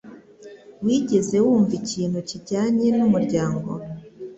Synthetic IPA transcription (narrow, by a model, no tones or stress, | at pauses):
wiːɟe̞ze̞wuːɱviciːn̥huciɟaːɲe̞numuɾɟaːŋɡo̞̰